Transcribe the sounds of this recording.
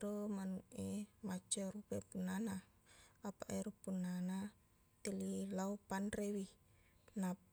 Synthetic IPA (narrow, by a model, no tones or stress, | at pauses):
ɾomanuʔemat͡ʃaɾupepunana | apaʔeɾupunana | t̪elilaopanrewi | na